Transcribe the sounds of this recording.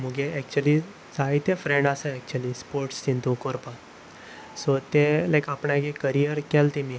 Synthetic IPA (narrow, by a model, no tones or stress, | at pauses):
muɡeɛk̚t͡ɕuəli | sait̪jefɾẽɳɖaseɛk̚t͡ɕuəlispoɾʈst̪int̪ũkoɾpa | sɔt̪elajkapɳjakekəɾijəɾkelt̪imi